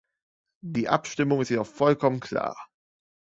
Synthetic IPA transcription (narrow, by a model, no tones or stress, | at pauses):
d̥iːʔa̰pʃtɪmʊŋɪstjɛːdɔχfɔlkʰɔmənkl̥a̰ːɐ